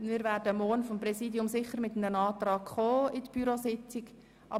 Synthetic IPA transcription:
mɪːɾvæːɾdəmɔːnfɔmpɾɛsiːdjʊmsɪχəɾmɪtənənɑːtɾɑːkχoːɪdəb̥yɾosɪt͡sɪɡ | ʔɑ

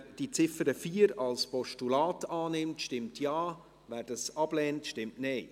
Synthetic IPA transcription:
d̥it͡sɪfəɾəfiːəɾɑlspɔʃtulɑːtɑːnɪmtʃtɪmtʰjɑː | væːɾd̥ɑsɑb̥lɛːntʃtɪmtneɪ

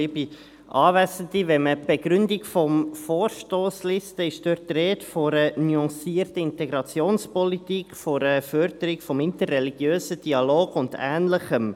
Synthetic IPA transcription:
ibi | ʔɑːvæsəndivɛməb̥eɡ̥ɾʏndikfɔmfoːɾʃtoːslɪstəɪʃd̥øtreːtfɔɾənyɑ̃siːərtəɪntɛɡɾɑt͡sjoːnspɔlit̪ikfɔɾəfœɾd̥əɾikfɔmɪntərːɛliɡ̥jøːsəd̥iɑloːɡ̥ʊndæ̰ːnləχəm

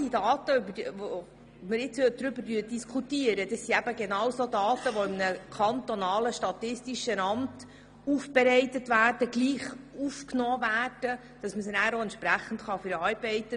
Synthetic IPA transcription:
idɑːt̪əybəvo | məɾjɪt͡shøt̚dɾʏbəɾdyːd̥iskʰutiəɾəd̥ɑsːiæb̥əɡenɑwsoːdɑːtəʋɔɪmnəkʰɑnt̪ɔnɑːləʃtɑtɪstiʃənɑmt | ufb̥ɛɾɛɪtətvæːrd̥əɡliːχufknɔːvæːrd̥ə | d̥ɑsməsnæːɾoɛntʃpɾæχːn̩tχɑfyɾɑɾbɛɪt̪ə

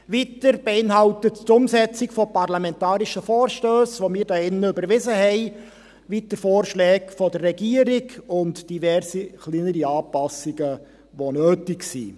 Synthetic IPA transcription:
ʋitəɾb̥eɪnɦɑltəttʊmsɛt͡sɪkfɔpɑrlamɛntɑːɾiʃəfɔːrʃtøːsʋomɪːɾdɑɪnːəʏbəɾʋɪzəɦɛɪ | ʋitəɾfɔːrʃlɛːkfɔdərːɛɡiːəɾɪɡʊntd̥ivɛrsiχliːnəɾiɑːpɑsɪɡə | ʋonøːtɪksḭː

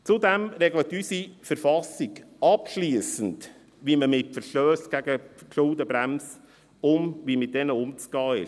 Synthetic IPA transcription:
t͡sʊdɛmɾɛɡlətysifəɾfɑsiɡ | ɑpʃliːəsənd | ʋiməmɪtfəɾʃtøːsɡ̥æɡəʃʊldəbɾæms | ʊmʋimɪt̚d̥ɛnəʊmt͡sɡ̥ɑːɪ̰ʃ

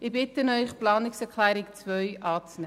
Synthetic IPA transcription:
ɪbɪtənœʏχplɑːnɪksɛkʰlɛːɾɪkt͡svœʏʔɑːt͡snɛ

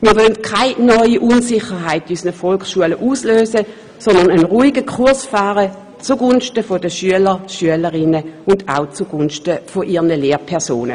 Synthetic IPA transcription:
miːɐʋœlntkʰaɪnɔʏiʔunsɪχəʁɦaɪtysnəfɔlksʃuələʔuːsløːsə | sɔndɐnənʁuːiɡəkʰuɐsfaːʁə | t͡suɡʊnʃtəfodəʃyələʃyələʁɪnəʊnda̰ʊt͡suɡ̥ʊnʃtəfoʔiːʁnəleːʁpʰɛɐso̰ːnə̰

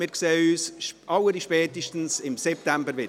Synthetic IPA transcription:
mɪɾksɛːyːsʔɑwəɾiʃpɛːtiʃtən̩sɪmsɛp̚t̪æmbəɾʋɪ

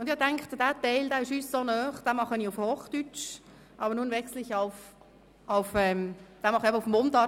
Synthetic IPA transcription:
ʊndɪhɑtɛŋkχt̪d̥æːtɛɪldæːɪʃyːssoːnœːχd̥æːmɑχəniːʊfhoːχd̥yt͡ʃ | ʔɑbəɾnuːnvɛkslɪçaʊf | aʊfɛːmd̥æːmɑχɛbəʊfm̩ontɑ

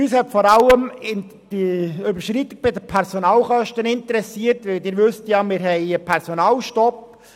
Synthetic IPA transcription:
yshɛtfɔɾɑləmɪ | d̥iʏbəɾʃɾit̪ːɪɡ̚b̥ɪdəpʰɛɾsonɑːlχœʃtənɪnt̪əɾɛsiərtʋɪldɪːɾʋɵst̪jɑmɪːɾɦɛɪəpʰɛɾsonɑːlʃtɔp

